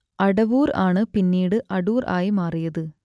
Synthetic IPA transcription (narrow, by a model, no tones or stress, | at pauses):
ʔɐɽɐʋuːɾa̰ːɳɯpinːiːɽɯʔɐɽuːɾa̰ːjimaːrɪjɐðɯ